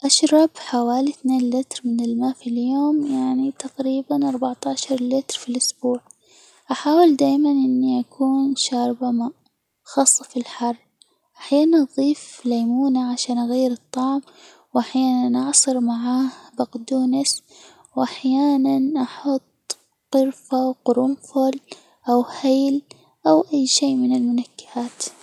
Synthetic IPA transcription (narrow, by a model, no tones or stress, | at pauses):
ʔaʃɾˤɑbħawaːliθneːnlɪt̪ɾmɪnɪlmaːfiljoːmjaʕnit̪aqɾiːbanʔɑɾˤbaʕt̪aʕʃɑɾˤlɪt̪ɾfilʔʊsbuːʕ | ʔaħaːwɪld̪aːjmanʔɪnːiʔakʰuːnʃɑːɾˤbama | xɑːsˤːɑfilħɑrˤː | ʔaħjaːnanʔɑðˤiːflajmuːnaʕaʃaːnʔaɣajːɪɾɨt̪ˤːɑʕm | wʔaħjaːnanʔɑʕsˤɨɾmaʕaːhbaqd̪uːnɪs | wʔaħjaːnanʔaħʊt̪ˤ | qʊɾfawqʊɾʊmfʊl | ʔawhaːl | ʔawʔajːʃiːmɪnɪlmʊnakːɪ̥haːt̪